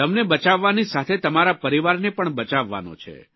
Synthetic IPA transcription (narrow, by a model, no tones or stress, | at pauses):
t̪əmnebət͡ʃaʋːanisat̪ʰet̪əmaɾapəɾiʋaɾnepəɳbət͡ʃaʋːa̰no̰t͡ʃʰḛ